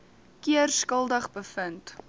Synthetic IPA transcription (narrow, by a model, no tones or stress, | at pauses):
kiərskəlˠdəχbəfənt